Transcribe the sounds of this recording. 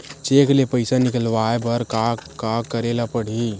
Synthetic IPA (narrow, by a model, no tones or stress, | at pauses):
t͡ʃeːklepəɪsanɪkəlʋaːebəɾkakakːəɾeːlapəɽ̤i